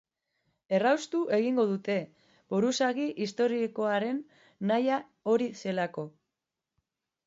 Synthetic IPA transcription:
e̞rawst̪uʔe̞ɣ̞iŋɡo̞ðut̪e̞ | buɾusaɣiʔist̪o̞ɾiko̞aɾe̞nː | aja | o̞ɾise̞lako̞

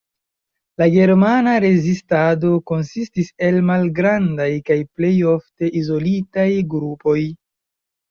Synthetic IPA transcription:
laɡe̞ɾmanaɾe̞zistado̞ko̞nsistise̞lmalɡɾandajkajple̞jo̞fte̞ʔizo̞litajɡɾupo̞j

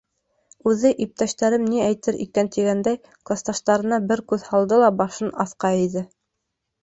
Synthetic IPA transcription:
ʉðɘʔip̚t̪æʃt̪æɾɘmniæjt̪ɘɾʔḭkænt̪iɡænd̪æj | klˠast̪ɑʃt̪ɑɾɤ̆nɑbɘɾkʉðhɑlˠd̪ɤlˠɑbɑʃɤnɑθqɑiðɘ

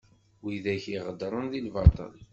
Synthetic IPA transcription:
wiðæçiʁəd̪ɾˤənðilvɑt̪ˤə̰l

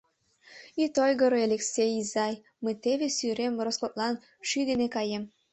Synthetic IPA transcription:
it̪ojɣəɾoeleksʲejizɑj | məjt̪eβesyɾemɾoskot̪lɑn | ʃyd̪enekɑjem

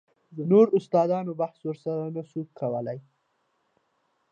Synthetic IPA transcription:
d̪ənoɾʊst̪ɑd̪ɑnobahswəɾsaɾanasukʰawəlaj

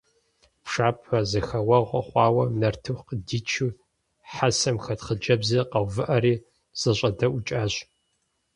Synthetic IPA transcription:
pʂaːpʰɐzɨxɐwɐʁʷɐχʷɑːwɐnɐrtʰɨxqdiːt͡ʃʰu | ħasɐmxɐtχəd͡ʒɐbzɐqɐwvɨʔɐɾiː | z̥ɐɕʷʼɐdɐʔʊt͡ʃʼaːɕ

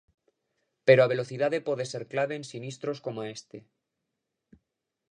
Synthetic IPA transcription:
pe̞ɾoaβe̞lo̞θiðaðe̞po̞ðe̞se̞ɾklaβe̞ːnsinist̪ɾo̞sko̞moae̞st̪e̞

